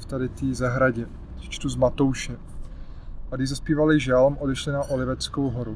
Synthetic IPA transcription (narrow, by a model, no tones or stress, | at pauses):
ft̪adɪt̪iːzaɦɾaɟɛ̥ | t͡ʃt̪uzmat̪owʃɛ | adɪzaspiːvalɪʒalmʔodɛʃlɪnaʔolɪvɛt͡skowɦoɾu